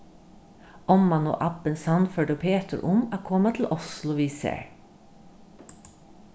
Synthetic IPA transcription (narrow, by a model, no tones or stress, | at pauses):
ɔmːɑno̰ːʔɑpənsɑnføɖəpʰeːt̪əɹʔʊmɑːkʰɔmɑt̪ʰl̩ʔʊslʊʋiːsḛɹ